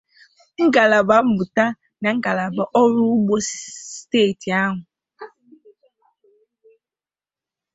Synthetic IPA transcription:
ŋ̩˦ɡa˨la˨ba˨m̩˦bu˨ta˦ | na˨ŋ̩˦ɡa˨la˨ba˨ʔɔ˦ɾu˦ɡ͡bo˦steː˦˨ti˨a˦ɦʊ˨

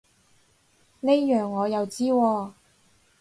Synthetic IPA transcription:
ne˥jjœː˨ŋːɔː˨˧jɐ˨wt͡siː˥wɔː˧

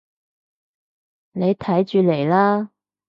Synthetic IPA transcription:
ne˨˧jt̪ʰɐ˨˥jt͡ʃyː˨˧le˨˩jlaː˥

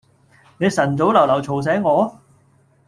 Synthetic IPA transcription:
ne˨˧jsɐ˨˩nt͡so˨˥wlɐ˨˩wlɐ˨˩wt͡sʰo˨˩ws̬ɛː˨˥ŋŋɔː˨˧

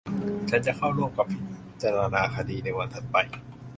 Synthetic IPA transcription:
t͡ɕʰa˦˥nt͡ɕa˨ʔkʰa˥˩wlu˥˩ə˨ka˧pʰi˦˩t̪ | t͡ɕaː˧ɾa˧naː˧kʰa˧diː˧na˧˥˩jwa˧nt̪ʰa˦˥t̪̚pa˧j

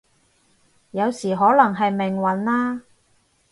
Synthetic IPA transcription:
jɐ˨˧wsiː˨˩ɦɔː˨˥lɐ˨˩ŋɦɐ˨jmɪ˨˩ŋwɐ˨˥nlaː˥

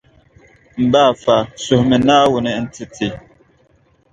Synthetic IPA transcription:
m̩˨ba˦˨fa˨so˨hmə˨na˦wu˨nɛ˨˦n̩˨ti˦ti˨

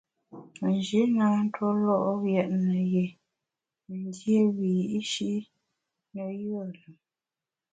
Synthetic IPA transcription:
n˨d͡ʒi˨˦naː˨˦n˦tʰwo˦lɔ˦ʔɣjɛ˨ʔnə˨je˨ | mə˨n˦dje˦wiː˨i˦ʃi˦ʔ | nə˦˨jə˦˨lə˨

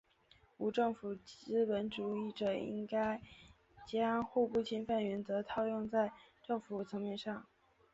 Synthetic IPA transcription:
u˧˥ʈ͡ʂɤ˥˩ŋfu˨˩˥pə˧˥nʈ͡ʂu˨˧˥i˥˩ʈ͡ʂɤ˨˩ḭ˥ŋka˥ɪ | t͡ɕjɑ˥ŋxu˥˧pu˥˩t͡ɕʰi˥nfa˥˩nɥɛ˧˥nt͡sɤ˧˥t̪ʰɑ˥˧ʊjʊ˥˧ŋt͡sa˥˧ɪʈ͡ʂɤ˥˩ŋfu˨˩t͡sʰɤ˧˥ŋmjɛ˥˧nʂɑ˥˩ŋ

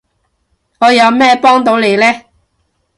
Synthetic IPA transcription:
ŋɔː˨˧jɐ˨˧wmɛː˥pɔː˥ŋt̪o˨˥wle˨˧jlɛː˥

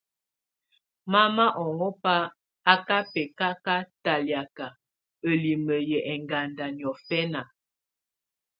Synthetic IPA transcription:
ma˦ma˦ʔɔ˨ŋɔ˦pa˦ | a˦ka˦pɛ˨ka˦ka˦ta˨lja˨ka˨ | ə˨li˨mə˨jə˨ʔɛ˨ŋɡa˨nda˨njɔ˨fɛ˦na˨

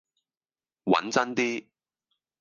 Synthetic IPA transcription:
wɐ̰˨˥nt͡sɐ˥nt̪iː˥

